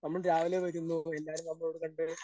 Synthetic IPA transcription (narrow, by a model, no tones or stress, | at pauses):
nɐmːɐɭɾaːʋileːʋɐɾunːuelːaːɾumnɐmːɐɭoːɽɨkɐɳɖɨ